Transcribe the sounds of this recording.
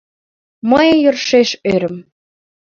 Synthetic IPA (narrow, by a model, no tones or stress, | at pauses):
məjjərʃeʃøɾəm